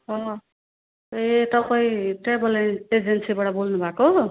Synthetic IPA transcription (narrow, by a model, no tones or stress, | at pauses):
ʌ | et̪ʌpʌiʈebʌlened͡zensibʌɽʌbolnubʱako